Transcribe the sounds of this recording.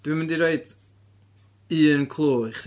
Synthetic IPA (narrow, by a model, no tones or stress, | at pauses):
d̥wimɪ̃ndiɾeɨd | iːənkʰlˠoːχ